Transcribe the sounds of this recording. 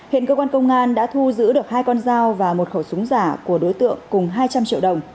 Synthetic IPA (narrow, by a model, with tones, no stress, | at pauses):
hḭ˧˨nkəː˧kwaː˧nkə˧wŋ͡mʔaː˧nɗa̰ː˧˥t̪ʰu˧zɨ̰˧˥ɗɨ˨˩ək̚haː˧jkɔ˧nzaː˧wvaː˨˩mo˨˩t̚xə˧˩wsʊ˨˦ŋ͡mzaː˧˩ku˧˩əɗo˨˦jt̪ɨ̰˧˨əŋkʊ˨˩ŋ͡mɦaː˧jt͡ɕa˧mt͡ɕḭ˧əwɗə˨˩wŋ͡m